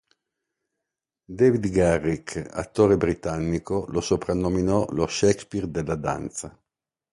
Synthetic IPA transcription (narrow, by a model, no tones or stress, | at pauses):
d̪ɛvid̪ɡarːika̰t̪ːoːɾebɾit̪anːikolosopɾanːominɔloʃɛkspird̪elːad̪a̰nt̪sa